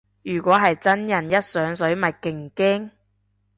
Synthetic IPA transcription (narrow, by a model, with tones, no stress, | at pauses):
jyː˨˩kʷɔː˨˥ɦɐ˨jt͡sɐ˥njɐ˨˩njɐ˥t̚sœː˨˥ŋsɵ˨˥ɥmɐ˨t̚kɪ˨˩ŋkeː˥ŋ